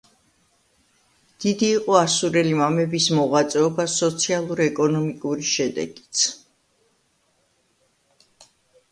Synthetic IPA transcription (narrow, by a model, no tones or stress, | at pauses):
d̪̥id̪iːqʼɔasuɾɛlimamɛbismɔʁwat̪sʼɛɔbasɔt̪sʰialˠuɾɛkʼɔnɔmikʼuɾiʃɛd̪ɛ̰ɡi̥t̪sʰ